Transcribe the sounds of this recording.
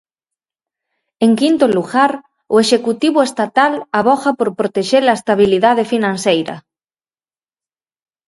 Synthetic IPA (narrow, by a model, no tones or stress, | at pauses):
eŋkint̪oluɣaɾ | oeʃekut̪iβ̞ʊest̪at̪alaβɔxɐpoɾpɾot̪eʃelɐest̪aβ̞iliðað̞efinãnsejɾɐ̰